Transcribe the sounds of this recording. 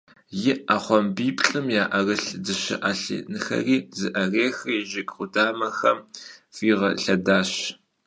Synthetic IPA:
jɪʔaːχʷɔmbiːpʼɬʼɨmjaːʔɐrɨɬdɨʃɪ̰ʔaːɬḭnɨxɐ̰riːzɨʔɐreːxɨjɪʒɪɡʼχʷʊdaːmɐxɐmfiːʁɐɬɐdaːɕ

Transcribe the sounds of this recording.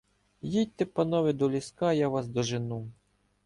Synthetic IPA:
jit̪ɛpɐnɔʋɪd̪ɔlʲiskajaʋasd̪ɔʒɪnu

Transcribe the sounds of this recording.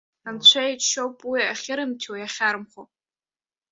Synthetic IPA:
ant͡ɕʷʰaiʃowpʼwiaχʲɪɾɨmtʰuwjaχʲaɾmχo

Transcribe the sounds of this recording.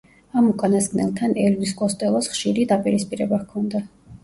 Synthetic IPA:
amukʼanasɡnɛ̰lˠt̪ʰanɛlvisɡʼɔst̪ʼɛlˠɔsχʃiɾid̪apʼiɾispʼiɾɛbakʰɔnd̪a

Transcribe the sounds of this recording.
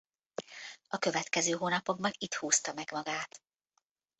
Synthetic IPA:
ɒkø̞vɛt̪kɛzøːɦoːnɒpo̞ɡ̚bɒnit̪huːst̪ɒmɛɡmɒɡaːt̪

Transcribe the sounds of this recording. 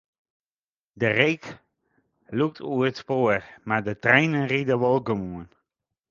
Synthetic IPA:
dərejk | luk̚tʰuəətspoərmaːɹdətrɛjnənridəʋɔlˠkəmuən

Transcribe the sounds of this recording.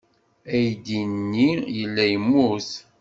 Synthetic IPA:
æjd̪inːijəlːæjəmːuθ

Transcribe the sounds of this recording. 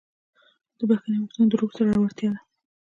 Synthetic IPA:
d̪̥əbaxanewakt̪und̪əɾoɡsaɾaawaɾt̪jɑd̪a

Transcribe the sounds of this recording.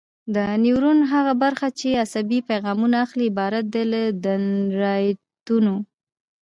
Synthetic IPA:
d̪əniwɾunɦaɣabaɾxat͡ʃeasabipajɣɑmunaːxliːbɑɾat̪̚d̪eləd̪anɾɑj | t̪uno

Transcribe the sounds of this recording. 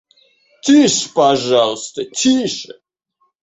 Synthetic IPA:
t̪ʲʰiʂpaʐalˠst̪ət̪ʲʰiʂə

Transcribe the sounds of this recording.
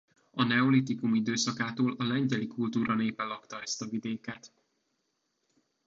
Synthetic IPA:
ɒnɛolit̪ikumid̪øːsɒkaːt̪oːlɒlɛɲɟɛlikult̪uːɾɒneːpɛlɒkt̪ɒɛst̪ɒvid̪eːkɛt̪

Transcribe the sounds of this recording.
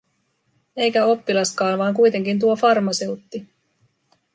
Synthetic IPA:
e̞jkæo̞pːilɑskɑːnʋɑːŋkujt̪e̞ŋkint̪̬uo̞fɑrmɑse̞wt̪ːi

